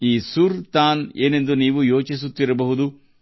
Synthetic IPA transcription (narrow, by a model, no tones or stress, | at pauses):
iːsuɾt̪aːneːne̞nd̪uniːʋujo̞ːt͡ʃis̬ut̪ːiɾɐbɐɦud̪u